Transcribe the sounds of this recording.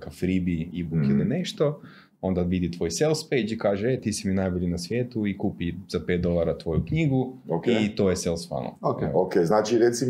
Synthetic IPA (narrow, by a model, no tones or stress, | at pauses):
kafɾibiibukilineʃt̪o̞ | o̞nd̪aʋid̪it̪ʋo̞ːjselˠspejd͡ʒikaːʒeet̪iːsiminabilinasʋje̞ːt̪uikuːpiz̥ape̞ːt̪̚d̪o̞lˠaɾat̪ʋo̞jukɲiːɡuokit̪o̞ːjeselˠsfa̰no̰okokeznat͡ʃiɾet̪sim